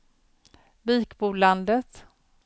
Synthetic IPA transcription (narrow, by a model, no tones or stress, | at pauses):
biːkbuːland̪ət̪